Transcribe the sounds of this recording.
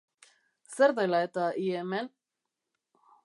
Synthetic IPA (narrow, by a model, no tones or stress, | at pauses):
seɾðajlaet̪aʔiemen